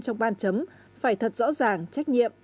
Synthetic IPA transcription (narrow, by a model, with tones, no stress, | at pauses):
t͡ɕɔ˧wŋ͡mɓaː˧nt͡ɕə˨˦m | faː˧˩jt̪ʰə˨˩t̚zɔ̰˧˥zaː˨˩ŋt͡ɕa˦˥k̟̚ɲḭ˧˨əmʔ